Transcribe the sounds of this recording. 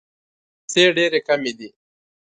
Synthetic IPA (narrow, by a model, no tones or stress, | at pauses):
seːɖeːɾekɐmid̪i